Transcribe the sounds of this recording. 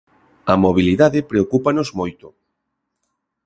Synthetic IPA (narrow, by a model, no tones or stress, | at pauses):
ɐmoβ̞iliðaðɪpɾeokupanozmojt̪ʊ